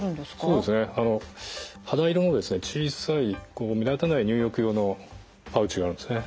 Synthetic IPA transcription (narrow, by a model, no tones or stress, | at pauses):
ɯnd̪so̞ːd̪e̞sɨne̞ano̞had̪aiɾɯmod̪e̞sɨne̞t͡ɕiːsaiko̞ːmʲid̪at̪anaiɲ̟ʲɨːjo̞kɯ̟jo̞ːno̞ | paɯ̟t͡ɕiɡaːɾɯ̟nd̪esɨne̞